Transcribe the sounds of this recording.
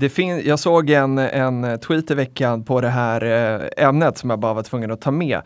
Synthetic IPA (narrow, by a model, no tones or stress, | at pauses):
d̪ɛfɪnjɑːɡsoːɡɛnɛnt̪ʰwiːt̪ɪvɛkːanpʰɔd̪ɛɦæːɾɛmnət̪sɔmjɑːɡbɑːɾavaʈ̪ʰvɵŋːənɔt̪ʰɑːmɛ̰ː